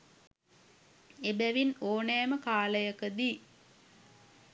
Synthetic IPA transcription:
ebæʋinoːnɛːməkaːləjəkəd̪iː

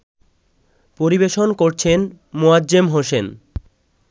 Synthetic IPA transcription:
poɾibeʃonkoɾt͡ɕʰen | moad͡ʑemɦoʃen

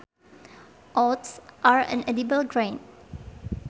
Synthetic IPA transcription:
ʔɔtsʔaɹɛ̰̃nɛdibəlɡɹãn

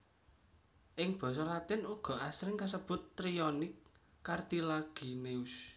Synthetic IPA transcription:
ʔɪŋb̥ɔ̤s̬ɔlat̪ɪnuɡ̥ɔ̤ʔasɾɪŋkasəb̥ʊ̤t̪ːɾiɔnɪkː | art̪ilaɡ̥i̤neus

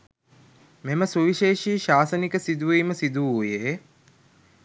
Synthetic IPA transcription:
meməsuʋiʃeːʃiːʃaːsənikəsid̪uʋeːməsid̪uuje

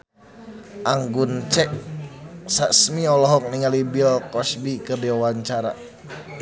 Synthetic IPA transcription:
ʔaŋɡunt͡ʃɛʔ | sasmiɔlɔɦɔk̚niŋalibilkɔsbikɨrdiwawaɲt͡ʃaɾa̰

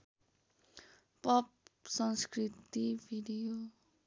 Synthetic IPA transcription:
pʌp̚sʌŋskrit̪ibʱiɖijo

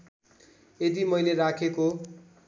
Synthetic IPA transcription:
ed̪imʌjleɾakʰeko

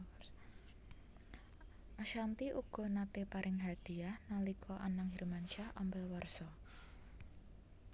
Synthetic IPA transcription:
ʔaʃant̪iʔuɡ̥ɔ̤nat̪epaɾʔɪŋɦad̪̥i̤ahnalikʰɔʔanaŋɦiɾmant͡ʃahɔ̰mbɛlwarsɔ

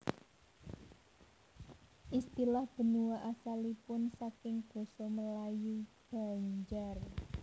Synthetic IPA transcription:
ʔist̪ilahb̥ə̤nuwaʔasalipʊnsakɪŋb̥o̤sɔməlajub̥a̤ɲd͡ʒar

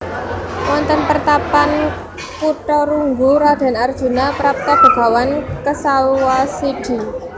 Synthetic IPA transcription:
wɔnt̪ɔnpərt̪apan | puʈɔɾuŋɡuɾad̪̥a̤nard̥ʒ̥ṳnapəɾap̚t̪ab̪̥i̤b̥a̤wankəsawasiɖ̥i̤

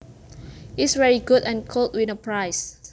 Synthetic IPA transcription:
isvɛɹiɡudɛ̃nkʰolˠd̚winəpʰɹajs

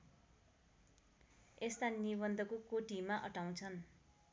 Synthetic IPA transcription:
est̪aniβʌnd̪ʱʌkokoʈimaʔʌʈaw̃t͡sʰʌn

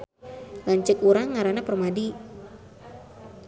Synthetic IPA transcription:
laɲt͡ʃəkuɾaŋːaɾanapərmadi

